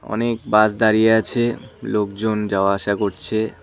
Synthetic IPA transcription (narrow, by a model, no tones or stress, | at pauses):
ɔ̰nek̚basd̪aɾijeat͡ɕʰelokd͡ʑond͡ʑaoaaʃakoɾt͡ɕʰe